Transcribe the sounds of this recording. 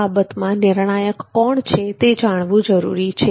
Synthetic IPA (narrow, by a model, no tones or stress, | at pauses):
abət̪mãnɪɾɳ̃ajəkːɔɳt͡ʃʰet̪ed͡ʒaɽ̃ʋũd͡ʒəɾṵɾit͡ʃʰe